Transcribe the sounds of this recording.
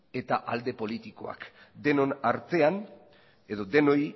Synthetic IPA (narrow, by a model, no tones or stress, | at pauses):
e̞t̪aʔald̪e̞po̞lit̪iko̞a̰kd̪e̞no̞naɾt̪e̞an | eðo̞d̪e̞no̞j